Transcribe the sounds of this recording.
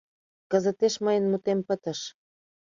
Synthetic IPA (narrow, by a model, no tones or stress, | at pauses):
kəzə̆t̪eʃməjənmut̪empət̪ə̆ʃ